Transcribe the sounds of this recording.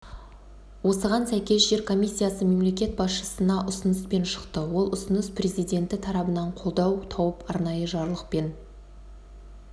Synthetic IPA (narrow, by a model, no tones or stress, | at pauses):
wo̞səʁɑnsæjkʲe̞zʒe̞ɾkʰo̞mʲisʲːijasəme̞mle̞kʲe̞t̪̚bɑsʃəsənɑʔʊsənəspe̞nʃə̥qt̪əwo̞lˠʊsənəsprʲe̞zijd̪ʲe̞nt̪ɪt̪ʰɑɾɑbənɑɴqʰo̞lˠd̪ɑwt̪ʰɑwəpɑɾnɑjəʒɑɾlˠəq̚pe̞n